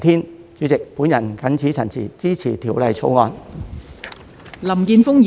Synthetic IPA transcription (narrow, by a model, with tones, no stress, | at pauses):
t̪ʰiː˥n | t͡ʃyː˨˥t͡sɪ˨k̚puː˨˥njɐ˨˩nkɐ˨˥nt͡sʰiː˨˥t͡sʰɐ˨˩nt͡sʰiː˨˩t͡siː˥t͡sʰiː˨˩t̪ʰiː˨˩wlɐ˨jt͡sʰo˧˥wŋɔː˧n | lɐ˨˩mkiː˧nfʊ˥ŋj